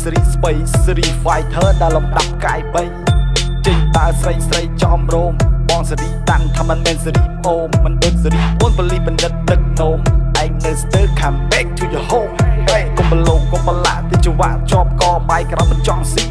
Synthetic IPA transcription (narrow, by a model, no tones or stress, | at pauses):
sɾiːsɓəjsɾiːfajt̪ʰəːɗaɛlːɑmɗap̚kaːjɓəjt͡ɕəɲɗaəsrəjsrəjt͡ɕɑmroːmɓɑːŋsəɾiːt̪ant̪ʰaːmɨnmɛːnsiɾiːʔoːmːɨnɗoːt̪̚siɾiːpuənpoəlihɓɑnɗɨt̪̚ːɨk̚noːmʔaɛk̚nɨst̪əːkʰaːmpɛːk̚t͡ɕuəjohoːp̚hɛːʔkomɓəloːkopala̰ʔt̪it͡ɕuʋaʔt͡ɕŏəp̚kɑːɓaɛjkraɔjmɨnt͡ɕɑŋsi